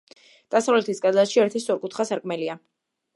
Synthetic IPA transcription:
d̪̥asavlɛt̪ʰisɡʼad̪asʃiɛɾt̪ʰisʼɔɾkʼut̪ʰχasaɾkʼmɛlia

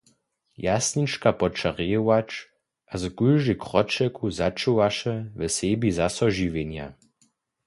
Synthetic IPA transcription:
jasnit͡ʃkapɔt͡ʃaʁejwat͡ʃ | ʔazkujʒikʁɔt͡ʃɛkʰuzat͡ʃuwaʃɛvɛsebizasɔʒiʋeɲja̰

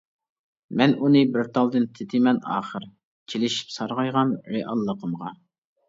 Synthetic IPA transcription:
mɛnunɨbɪɾt̪ʰɑlˠd̪ɨnt̪ʰɪt̪ʰɪmɛnɑ̰ːχəɾ | t͡ʃʰelɪʃi̥psɑɾʁɑjʁɑnɾeʔɑ̰lˠːəqʰəmʁɑ

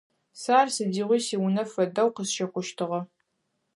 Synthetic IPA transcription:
saːrsɨdiːʁʷiːsiːwʊnɐfɐdɐwqəsʃɐqʷʊʃtʰɨʁɐ

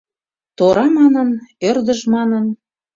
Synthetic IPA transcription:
t̪oɾɑmɑnənørd̪əʒmɑnən

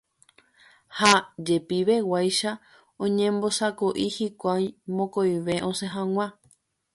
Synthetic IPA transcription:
had͡ʒe̞piʋe̞wajʃa | õɲẽmbo̞sakoʔihikʷajmõ̞kojʋe̞ʔõ̞se̞ɦãŋ̃ã

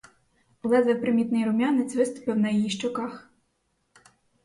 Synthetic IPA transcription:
ɔlˠɛd̪ʋɛwpɾɪmʲit̪nɪjɾʊmʲjɑnɪt͡sʲʋɪst̪ʊ̥pɪwnɐjɔjiʃt͡ʃɔkɑx

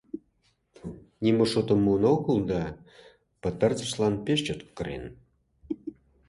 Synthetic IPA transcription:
nʲimoʃot̪ə̆mːunoɣəld̪ɑ | pə̆t̪ərt͡sə̥̆ʃlɑnpeʃt͡ɕot̪kəɾḛn

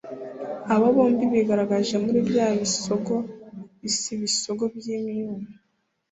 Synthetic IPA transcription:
aβaβo̞ːmbiβeɡaɾaɡaʒe̞muɾibjaːβisoɡo̞isiβiso̞ɡo̞bjimiuma

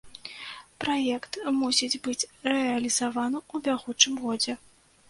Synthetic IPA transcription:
pɾajɛkt̪musʲid͡zʲbɨt͡sʲrɛɐlʲizavanɨud̪ʲaɣut͡ʂɨmɣɔd͡zʲɛ

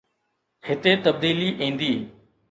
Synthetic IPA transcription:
hɪt̪eːt̪əb̚d̪iːliːʔĩːnd̪iː

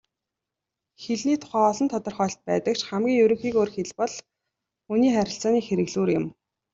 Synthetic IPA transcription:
xeɮniːt̪ʰʊ̥χæːɔɮɞ̆nt̪ʰɔt̪ɞ̆rχœːɬt̪̚pæ̰ːt̪ə̆kʃχæmɡʲiːŋjɵwɾɵ̆ŋxiːkoːrxeɮpɔɮ | uniːχæɾʲɪ̆ɬt͡saːniːxeɾɘ̆ɣɮuːrjʊ̆m

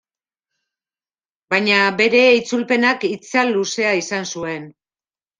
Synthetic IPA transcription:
bajɲabe̞ɾe̞it͡sulpe̞nakit͡salːuse̞aisansue̞n

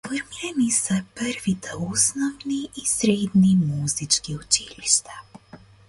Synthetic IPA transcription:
foɾmiɾanisapɾʋit̪ʰausnoʋniːsɾeːd̪nimuzit͡ʃkiot͡ʃiliʃt̪ḁ

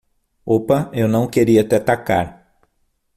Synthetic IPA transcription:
opɐewnɐ̃w̃keɾiɐt̪ɛt̪aka̰ɾ

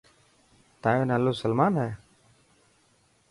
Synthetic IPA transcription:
t̪aːjõːnəːloːsəlmaːnɦɛː

